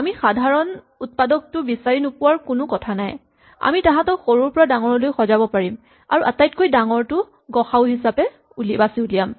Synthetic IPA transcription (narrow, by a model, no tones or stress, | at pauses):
amixadʱaɹɔn | ut̚padɔk̚tʊbisaɹinʊpʊwaɹkʊnʊkɔtʰanaj | a̰mitãɦãtɔxoɹuɹpɔɹadaŋɔɹɔlojxɔzabɔpaɹim | a̰ɹuʔatajtkojdaŋɔɹtʊ | ɡɔxaʊɦisapɛ | ulibasiulijam